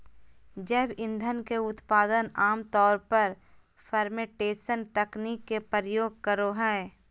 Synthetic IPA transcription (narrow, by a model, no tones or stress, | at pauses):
d͡ʒeːbɪ̃nd̪ʱənkeʊt̪paːd̪ənaːmt̪ɔːɾpəɾ | fʰəɾmeʈeːsənʈɛkniːkːepəɾəjoːɡ̚kəɾoɦɛː